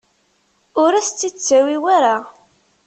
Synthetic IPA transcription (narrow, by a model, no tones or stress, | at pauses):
ʊɾæst͡sːit͡sːæwiwaɾa